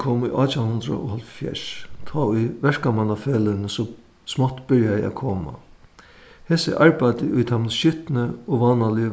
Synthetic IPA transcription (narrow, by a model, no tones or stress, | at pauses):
kʰoːmʊjʔaːt͡ɕahʊnd̪ɾa̰ʔʊ̰halffjɛ̰ʂt̪ʰɔːʊjʋɛɹkamanafeːlɪnəsɔ | smɔt̪ːbɪɹjajɪa̰kʰoːma̰ | heːsɪ̰ʔaɹpajt̪ɪʔʊjt̪ʰamnʃʏht̪nɪɔʋɑːnalɪ